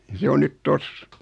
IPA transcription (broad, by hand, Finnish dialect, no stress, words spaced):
jɑ se on nyt tos